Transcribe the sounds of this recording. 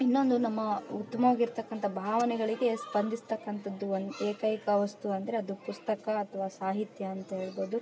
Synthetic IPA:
inːo̞nd̪unɐmːɐut̪ːɐmɐʋaːɡiɾt̪ɐkːɐnt̪ʰɐbʱaːʋɐnɛɡɐɭiɡe̞spɐnd̪ʱist̪ɐkːɐnt̪ʰɐd̪ːuond̪ueːkɐjkɐʋɐst̪uɐnd̪ɐɾeɐd̪upust̪ɐkɐːt̪ʰɐʋaːsaːɦit̪jɐːnt̪ɐɦe̞ːɭbo̞ːd̪u

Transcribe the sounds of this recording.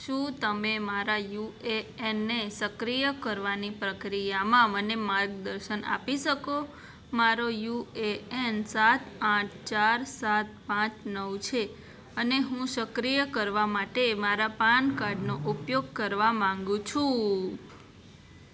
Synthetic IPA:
ʃũt̪əmemaɾajueenːesəkɾijəkəɾʋanipɾəkɾijamãmənemaɾɡd̪əɾʃəna̰piʃəko | maɾojueensat̪ʰãʈ̚ʰt͡ʃaɾsat̪̚pãt͡ʃʰnəʋt͡ʃʰe | əneɦũsəkɾijəkəɾʋamaʈemaɾapaɳkaɾɖnoʔupjoɡ̚kəɾʋamãŋɡũt͡ʃʰũ

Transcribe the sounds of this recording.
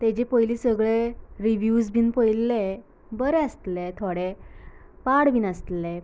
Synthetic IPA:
t̪ed͡ʑepəjlisəɡɭeɾiʋjusbʱiːnpəjlːe | bəɾeəst̪let̪ʰoɽe | paɽʋiːnəst̪le

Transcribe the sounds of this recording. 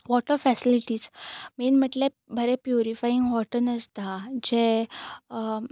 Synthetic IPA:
ʋɔʈəɾfɛsiliʈiːzmenm̤əʈle | bʱəɾepjuɾifajiŋɡɦɔʈənəst̪ad͡ʑe

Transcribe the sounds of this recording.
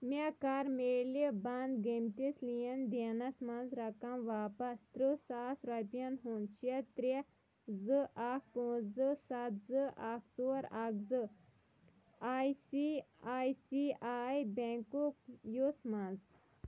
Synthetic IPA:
mekaɾmeːlibɐnd̪ɡemt̪islijɐnd̪enɐsmɐnzɾɐkɐmʋaːpɐst̪ɾɨsaːsɾɐpijɐnɦunt͡ʃʰɐt̪ɾi | zɨʔak̚põzɨsɐt̪zɨʔaːkʰsoɾakzɨ | aːjsiaːjsiaːjbɛŋkukjusmɐnz

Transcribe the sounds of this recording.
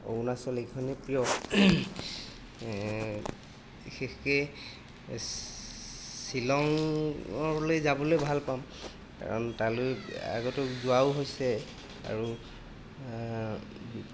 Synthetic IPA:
o̰unasɔlekʰɔnɛpɹijɔ | ixexɛ | silɔŋ | ɔɹlojzabɔlojbʱalpam | ka̰ɹɔ̰ntaloja̰ɡɔtʊkzʊawɦojsɛ | a̰ɹu

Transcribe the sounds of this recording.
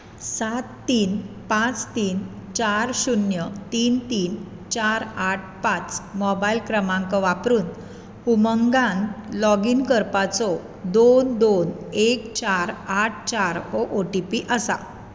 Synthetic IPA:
sat̪ːiːnpãt͡st̪iːnt͡ɕaɾɕunjət̪iːnt̪iːn | t͡ɕaɾaʈ̚ʰpãt͡smɔbailkɾəmãŋkɔʋapɾuːn | huməŋɡãnlɔɡiːnkəɾpat͡sɔ | d̪ond̪onekt͡ɕaɾaʈ̚ʰt͡ɕaɾoʔoʈipiʔəsa̰

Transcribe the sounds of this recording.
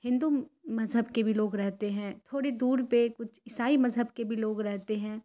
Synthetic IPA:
hɪ̃nd̪umɐzɦəbkebʱiloːɡɾɛɦt̪eɦɛ̃ːt̪ʰoːɽed̪uːɾpekʊt͡ʃʰɪsaːimɐzɦəbkebʱiloːɡɾɛɦt̪eɦɛ̃ː

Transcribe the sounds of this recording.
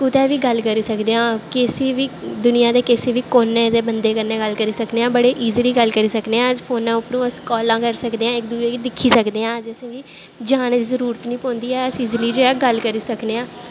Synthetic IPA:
kʊt̪ɛːʋiːɡəlkəɾiːsəkd̪eːãːkɪsiːʋiːd̪ʊnɪjãːd̪eːkɪseːʋiːkoːnẽːd̪eːbənd̪eːkəɾneːɡəlkəɾiːsəkneːãːbəɽeːʔiːziliːɡəlkəɾiːsəkd̪eːãːd͡ʒpʰoːnãːʊpɾũːəskɔːlãːkəɾsəkd̪eːãːɪkd̪uːd͡ʒeːiːd̪ɪkʰːiːsəkd̪eːãːd͡ʒəsĩːʋiː | d͡ʒaːɽ̃d̪iːzəɾuːɾət̪nĩːpɔ̃ːnd̪iːɛːəsiːzliːd͡ʒeːaːɡəlkəɾiːsəkneːãː

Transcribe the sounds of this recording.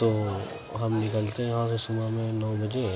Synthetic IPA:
t̪o | ɦɐmnɪkəlt̪eɦɛ̃ɦãsesʊmamẽnɔbɐd͡ʒẽ

